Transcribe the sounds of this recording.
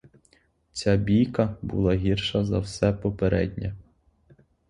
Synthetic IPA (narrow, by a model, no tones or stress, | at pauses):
t͡sʲabʲijkɐbṵlˠɑɦʲirʃɐzɐwsɛpɔpeɾɛ̰dʲnʲɛ